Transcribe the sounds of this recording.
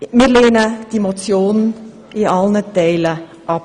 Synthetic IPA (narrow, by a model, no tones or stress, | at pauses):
mɪleːnəd̥imot͡sjoːnn̩ | iɑlnəd̪ɛɪlə | ʔɑp